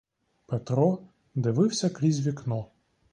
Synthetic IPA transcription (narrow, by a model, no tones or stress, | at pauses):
pɛt̪ɾɔ | d̪ɨvɨwsʲɐkɾʲizʲvʲiknɔ